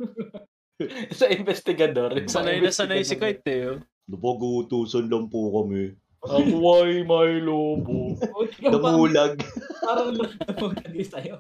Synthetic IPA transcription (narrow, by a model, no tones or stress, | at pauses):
sɐʔɪnbɛst̪ɪɡɐd̪oɾsɐnɐjnɐsɐnɐjsɪkɐjt̪ːɛjo | nɐpɐɡut̪uːsonlɐŋpokɐmɛ | ɐwɐjmɐjloːbonɐmuːlɐɡ̚aɾɐŋlɐɐmuːlɐɡɪsɐjo